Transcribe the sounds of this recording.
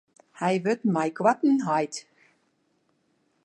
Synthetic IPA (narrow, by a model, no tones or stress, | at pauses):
hajvʏt̪majkʰvat̪n̩ɦajt̪